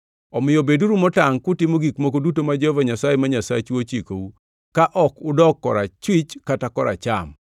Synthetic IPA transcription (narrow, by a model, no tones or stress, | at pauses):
ɔmɪjɔbeduɾumɔtaŋkʊtɪmoɡikmok̬odutomad͡ʒehovaɲasajemaɲasa̰t͡ʃot͡ʃiko̰u | kaʔɔkʊdɔkːɔ̰ɾat͡ʃwit͡ʃkatakɔɾa̰t͡ʃa̰m